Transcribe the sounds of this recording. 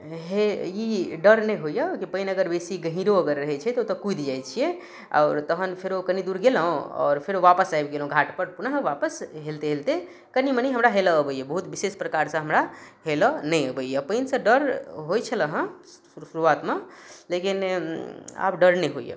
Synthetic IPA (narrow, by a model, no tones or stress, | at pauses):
ɦeiɖəɾnəjɦojəkipəinəɡəɾbesiɡəɦĩɾoəɡəɾːəɦɛt͡ʃʰɛt̪ot̪əkujd̪d͡ʒajt͡ʃʰije | a̰ʊɾt̪əɦənpʰeɾokənid̪uɾɡeləɦõɔ̰ːɾpʰeɾoʋapəsajbɡelõɡʱaʈpəɾpunəɦeʋapəsɦelt̪eɦelt̪e | kənimənəjɦəmɾaɦeləːbəjəbəɦut̪bisespɾəkaɾsə̃ɦəmɾaɦelənəjəbəjəpəinsə̃ɖəɾɦojt͡ʃʰələɦə̃ | suɾuat̪melekin | a̰pɖəɾnəjɦo̰jə̰